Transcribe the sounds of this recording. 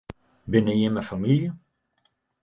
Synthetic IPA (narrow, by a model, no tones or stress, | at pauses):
bɪnəjəməfamiljə